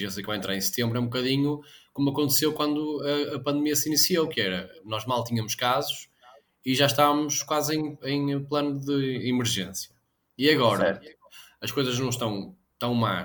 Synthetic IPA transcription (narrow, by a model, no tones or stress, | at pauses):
eesejkvajẽt̪ɾaɾẽsɨ̥t̪ẽmbɾɛũbukɐðiɲukomuɐkõnt̪sewkwɐ̃nd̪uɐːpɐ̃nd̪miɐsinisiowkɨɛɾɐnɔʒmalˠt̪iɲɐmʊʃkazuʃ | iʒaʃt̪avɐmʊʃkwazẽj̃ẽj̃plˠɐnuðɨimɨɾʒḛ̃sjɐ | iɐɣɔɾɐɐ | ɐʃkojzɐʒnɐ̃w̃ʃt̪ɐ̃w̃ | t̪ɐ̃w̃ma̰